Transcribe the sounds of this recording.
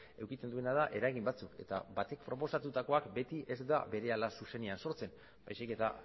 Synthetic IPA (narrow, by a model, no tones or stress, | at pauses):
e̞wkit̪e̞nd̪ue̞nað̞aʔe̞ɾaɣimbat͡suke̞̰t̪a̰bat̪e̞k̚pɾo̞po̞sat̪ut̪ako̞akbe̞t̪iʔe̞zd̪abe̞ɾe̞alasuse̞neanso̞ɾt͡se̞n | bajsike̞t̪a